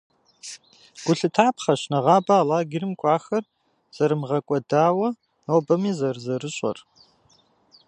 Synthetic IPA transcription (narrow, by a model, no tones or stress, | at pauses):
ɡ̥ʷʊɬɨtʰaːpχɐɕnɐʁɑːbaːlaːɡʲɪrɨmkʷʼɑːxɐr | z̥ɐɾɨmʁɐkʷʼɔdaːwɐ | nobɐmiːzɐrzɐrɨɕʼɐ̰r